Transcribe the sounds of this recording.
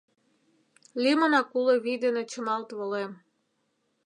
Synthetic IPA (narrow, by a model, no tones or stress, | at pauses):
lʲimənɑkuleβid̪enet͡ɕə̆mɑlt̪βolem